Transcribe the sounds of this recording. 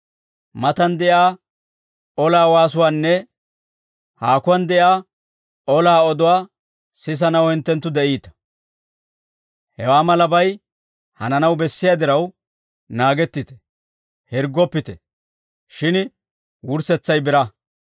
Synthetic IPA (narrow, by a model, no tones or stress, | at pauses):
mɐt̪ɐnd̪ɛʔjaː | ɔlaːwaːs̬ʊwaːnːɛ | haːkʊwɐnd̪ɛʔjaː | ɔlaːɔd̪ɔwaː | sɪs̬ɐnɐwhɪnt̪ːɛnt̪ːʊd̪ɛʔiːt̪ɐ̥ | hɛwaːmɐlɐbɐj | hɐnɐnɐwbɛsːɪjad̪ɪɾɐw | naːɡɛt̪ːɪt̪ɛ̥ | hɪɾɡːɔpːɪt̪ɛ | ʃɪn | wʊɾsɛt͡sːɐjbɪɾɐ